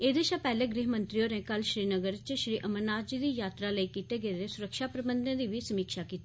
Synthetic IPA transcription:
eːd̪eːʃãːpɛːleːɡɾiːɦmə̃nt̪ɾijoːɾɛ̃ːkəlʃɾiːnəɡəɾt͡ʃʃɾiːʔəmənaːd͡ʒiːd̪iːjaːt̪ɾaːləiːkiːt̪eːɡeeɾesʊɾəkʃaːpɾəbənd̪ẽːd̪iːʋiːsəmiːkʃaːkiːt̪iː

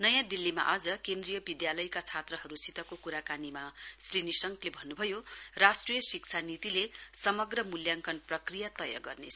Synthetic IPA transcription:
nʌjãd̪ilːima̰ʔʌd͡zʌkend̪rijʌbid̪jalʌjkat͡sʰat̪rʌɦʌɾusit̪ʌkokuɾakanimasrinisʌŋklebʱʌnːubʱʌjorasʈrijʌsik̚t͡sʰanit̪ilesʌmʌɡrʌmuljaŋkʌnprʌkrijat̪ʌjʌ̰ɡʌrnet͡sʰ

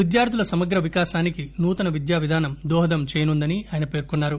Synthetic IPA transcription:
ʋid̪jaːɾd̪ulɐsɐmɐɡɾɐʋikaːʃaːnikinuːt̪ɐnɐʋid̪jaːʋid̪ʱaːnɐmd̪ɔːɦɐd̪ɐmt͡ʃeːjɐnund̪ɐniaːjɐnɐpe̞ːɾkunːaːɾu

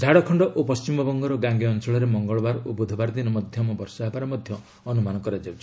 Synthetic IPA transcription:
d͡ʒʱaɽɔkʰɔɳɖɔʔopɔst͡ʃimɔbɔŋɡɔɾɔɡaŋɡiɔnt͡ʃɔɭɔɾemɔŋɡɔɭɔbaɾobud̪ʱɔbaɾd̪inɔmɔd̪ʱjɔmɔbɔɾsaabaɾɔmɔd̪ʱjɔː | numanɔkɔɾad͡ʒawt͡ʃʰi̥

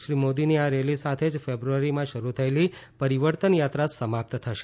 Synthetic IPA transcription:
ʃɾimod̪iniaɾelisat̪ʰed͡ʒfebɾuaɾimãʃəɾut̪ʰəelipəɾiʋəɾt̪ənjat̪ɾasəmap̚t̪t̪ʰəʃe

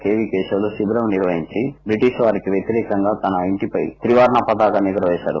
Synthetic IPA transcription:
keːʋiːkeːsɐlusib̪ɾɐmniɾʋɐɦiɲt͡ʃibɾiʈiʃʋaːɾikiʋjɐt̪iɾɛːkɐŋɡaːt̪ɐnɐiɳʈipɐjt̪ɾiʋaːɾɐɳɐpɐd̪aːɡɐniɡɐɾɐʋɛːʃa̰ːɾṵ

